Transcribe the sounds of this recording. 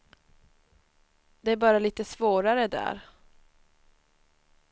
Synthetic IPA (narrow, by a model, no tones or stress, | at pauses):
d̪̥ɛæɾbɑːɾaliːt̪əsvoːɾaɾəd̪æ̰ːɾ